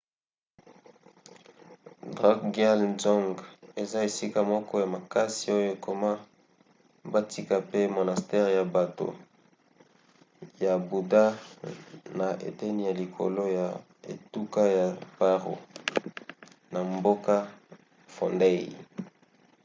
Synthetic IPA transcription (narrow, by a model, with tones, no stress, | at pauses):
dʁa˦kɡa˦lnzɔ˦ŋɡe˨za˦e˨si˦ka˨mɔ˦kɔ˦ja˨ma˨ka˦si˨o˦jo˦˨ko˨ma˦ | ba˦tʰi˦ka˨pe˦mo˨na˨stɛ˦ʁja˨ba˨to̰˨ | ja˨bu˨da˦ | na˨ʔḛ˨tɛ˦ni˦˨ja˨li˨kʰo̰˨lo˦ja˨ | ḛ˨tu˦ka˦ja˨pa˦ʁo̰˨ | na˨mbo˦ka˦ | fɔ̰˨nde˦˨